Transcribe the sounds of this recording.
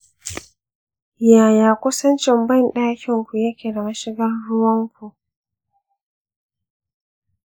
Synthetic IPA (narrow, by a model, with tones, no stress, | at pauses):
jaː˨jaː˨kʷʊ˦sɐ˦nt͡ʃɪ˨mbɐ˦˨nɗaː˦kʲɪ˨ŋkʷu˨jɐ˦kʲe˨ɾɐ˨ma˦ʃɪ˦ɡɐ˦rːʊ˦wɐ˦ŋkʷu˨